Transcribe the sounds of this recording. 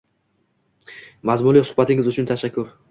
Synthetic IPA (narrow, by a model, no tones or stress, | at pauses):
mazmʊlisʊ̥hbat̪ɪŋʲɪzʊt͡ʃʰʊnt̪ʰaʃakʲʰːʊɾ